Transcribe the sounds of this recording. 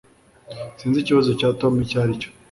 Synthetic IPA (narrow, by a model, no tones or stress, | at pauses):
siːnziciβazocaːtomicaːɾico̥